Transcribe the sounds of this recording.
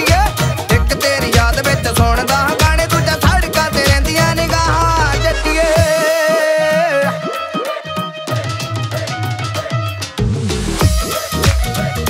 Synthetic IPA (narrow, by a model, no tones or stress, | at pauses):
ieːɪkt̪eːɾiːjaːd̪bɪt͡ʃsoːɳd̪ãːɡaːɽeːd̪ʊd͡ʒãːt̪ʰaːɖkaːt̪eːɾɛ̃ːnd̪ɪjãːnĩːɡaːɦaːd͡ʒet̪ieː